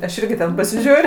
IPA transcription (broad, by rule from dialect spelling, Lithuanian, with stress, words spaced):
ɐʃ ˈɪrʲɡʲɪ tʲɛn pɐsʲɪˈʒʲuːrʲ